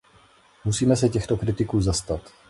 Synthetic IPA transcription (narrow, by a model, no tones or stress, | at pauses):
musiːmɛsɛcɛxt̪o̞kɾɪt̪ɪkuːzast̪at̪